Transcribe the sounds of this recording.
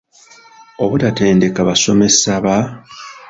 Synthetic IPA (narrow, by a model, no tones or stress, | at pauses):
o̞βutate̞ːnde̞kaβaso̞me̞saβa